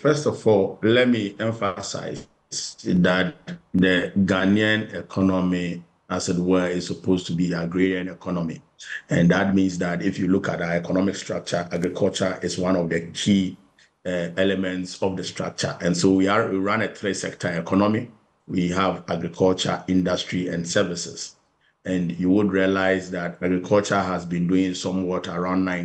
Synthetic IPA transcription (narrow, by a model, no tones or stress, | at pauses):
fɛstɔfɔllɛt̚miɛ̃ɱfasa̰ɪ | z̥datdəɡanĩãnɛkʰɔnɔmi | asɛtwɛɪssɔpʰostʰubiaɡɹiɾiãnɛkʰɔnɔ̃mḭ | ɛ̃ndat̚mĩnsdatifjulukʰa̰t̚aɛkʰɔnɔmɪkstɹ̥ak̚t͡ʃəʔaɡɹikʰɔlt͡ʃəʔɪswãnɔvdəkʰi | ɛɛlɛmɛ̃ntsɔfdəstʰɹ̥a̰k̚t͡ʃə̰ʔɛ̃nsowiawiɹãnet̪ʰɹesɛk̚tʰəɛkʰɔnɔmi | wiɦavaɡɹikʰɔlt͡ʃə̰ɪ̃ndastʰɹiɛ̰̃nsɛvɪsɪs | ɛ̃njuwudɹialaɪzðataɡɹikʰɔlt͡ʃəɦazbĩnduɪ̃ŋsɔ̃mwɔtʰaɹãʊ̃ndnãɪ̃